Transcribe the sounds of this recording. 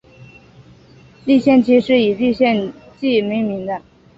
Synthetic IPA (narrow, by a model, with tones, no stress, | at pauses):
li˥˧ɕjɛ˥˧nt͡ɕi˥˧ʂɻ̩˥˩i˨˩li˥˧ɕjɛ˥˧nt͡ɕi˥˩mi˧˥ŋmi˧˥ŋd̪ə˧